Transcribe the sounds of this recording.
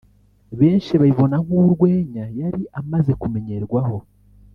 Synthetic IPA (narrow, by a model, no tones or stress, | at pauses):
βe̞ːnʃiβaiβo̞naŋ̥uɾɡwe̞ːɲajaɾiʔamaze̞kume̞ɲe̞ɾɡwaho̞